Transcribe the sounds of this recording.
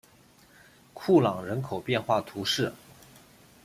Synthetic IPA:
kʰu˥˩lɑ˨˩ŋɻə˧˥nkʰo˨˩ʊpjɛ˥˧nxwa˥˩t̪ʰu˧˥ʂɻ̩˥˩

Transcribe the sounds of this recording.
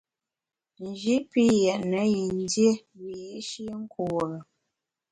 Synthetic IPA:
n˨d͡ʒi˦ʔpi˦jɛ˨ʔnə˨˦ji˨n˦dje˦wi˨je˨˦ʃi˦ŋ̩˦kʰu˨ɣə˨

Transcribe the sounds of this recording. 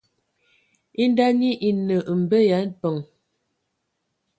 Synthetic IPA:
i˦n˦da˦ni˦ʔi˨nə˨ʔm̩˨bə˦ja˨˦n̩˦pə˨ŋ

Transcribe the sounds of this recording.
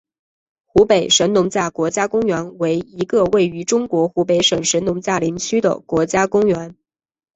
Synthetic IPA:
xu˧˥pe˨˩ɪʂə˧˥nnʊ˧˥ŋt͡ɕja˥˩kwɔ˧˥t͡ɕja˥kʊ˥ŋɥɛ˧˥nwe˧˥ɪi˧˥ɡə˧we˥˩ɪy˧˥ʈ͡ʂʊ˥ŋkwɔ˧˥xu˧˥pe˧˥ɪʂə˨˩ŋʂə˧˥nnʊ˧˥ŋt͡ɕja˥˩li˧˥ŋt͡ɕʰy˥d̪ə̰˨kwɔ˧˥t͡ɕja˥kʊ˥ŋɥɛ˧˥n

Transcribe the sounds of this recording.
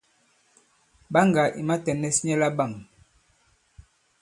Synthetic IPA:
ba˦ŋɡa˨ʔḭ˨ma˦tɛ˨nɛ˦sɲɛ˦la˦ba˦˨ŋ

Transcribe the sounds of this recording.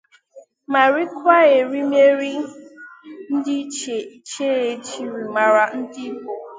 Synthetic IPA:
ma˨ɾi˦kʷa˦e˨ɾi˦me˦ɾi˦ | n̩˦dɪ˦t͡ʃe˨i˦t͡ʃe˦e˨t͡ʃi˦ɾi˨ma˨ɾa˨n̩˦dɪ˦bo˨

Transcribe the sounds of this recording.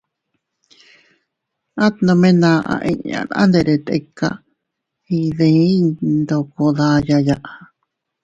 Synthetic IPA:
ã˦t̪nõ˧mẽ˦nã˧ʔã̰˧ʔḭ̃˧ɲã̰˨nã̰˦nd̪e˧ɾe˨t̪ḛ˧kːa̰˧ | hi˧ðẽ˧ĩ˦d̪o˧ko˧ða˧ja˧jaʔa

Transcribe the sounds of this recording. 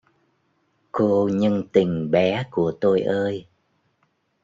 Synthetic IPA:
ko˧ɲə˧ŋt̪i˨˩ŋ̟ɓɛ˨˦ku˧˩ət̪o˧jʔəː˧j

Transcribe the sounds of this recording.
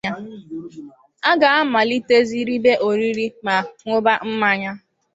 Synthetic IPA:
a˦ | a˦ɡa˨a˦ma˨li˦te˦zi˦ɾi˦be˦ʔo˨ɾi˦ɾi˦ma˨ŋʷo˦ba˦m̩˦ma˦ɲa˦

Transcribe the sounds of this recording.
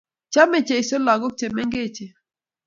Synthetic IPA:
t͡ʃa˦me˨t͡ʃe˨i˨sɔ˦la˨ɡo˦k̚t͡ʃe˨mɛ˦ŋɡe˦˨t͡ʃe˨

